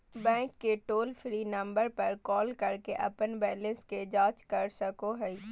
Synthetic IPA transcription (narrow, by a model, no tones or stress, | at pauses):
bɛ̃ːŋkːeʈoːlfʰɾiːnɐ̃mbəɾpɐɾkɔːlkɐɾkeʔɐ̰pənbɛːlə̃nsked͡ʒaːt͡ʃkɐɾsɐkoɦɛi